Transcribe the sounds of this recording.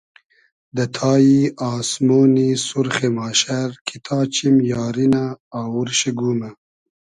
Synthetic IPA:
d̪ət̪ʰɑːjiɑːsmoːnisuɾχemɑːʃaɾkʰit̪ʰɑːt͡ɕimjɑːɾinaːwuɾɕiɡuːma

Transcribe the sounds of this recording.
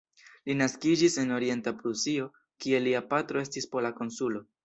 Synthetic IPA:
linaskid͡ʒise̞no̞ɾie̞ntapɾusio̞ | kie̞liapatɾo̞e̞stispo̞lako̞nsulo̞

